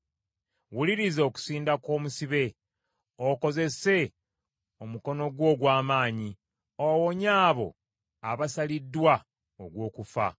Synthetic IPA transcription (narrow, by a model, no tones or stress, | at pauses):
wuliɾizo̞ːku̥siːndako̞ːmusiβe̞ | oko̞ze̞se̞ | omuko̞no̞ɡwo̞ːɡwaːmaːɲi | owoɲaːβo̞̰ | aβasalidːwa | o̰ɡwo̞ːkufa̰